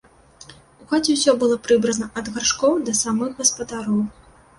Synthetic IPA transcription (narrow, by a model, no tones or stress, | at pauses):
uɣat͡sʲɛwsʲɔbɨlˠɔpɾɨbɾɐnɐʔɐd̪ɣarʂkɔwd̪ɐsamɨɣɣɐspɐd̪aɾɔw